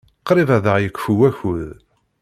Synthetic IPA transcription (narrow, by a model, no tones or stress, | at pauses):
qɾivæðəʁjəkʷːfuwæçuð